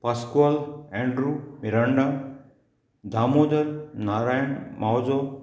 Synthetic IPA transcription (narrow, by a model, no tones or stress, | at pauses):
paskwaːlɛ̃ɳɖɾumiɾaɳɖa | d̪ʱamoːd̪əlnaːɾaːjəɳmawd͡ʒo